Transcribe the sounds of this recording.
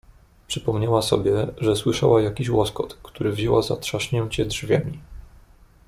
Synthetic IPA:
pʂɘpɔmɲawasɔ̰bʲjɛʐɛswɘʂa̰wajakʲiɕwɔskɔt̪kt̪uɾɘvʑɛwazat̪ʂaʂɲɛ̃t͡ɕɛdʐvʲjamʲi

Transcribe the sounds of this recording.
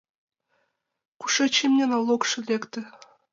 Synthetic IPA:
ku̥ʃet͡ɕemnʲenɑlˠokʃɤ̆lʲekt̪ɘ̆

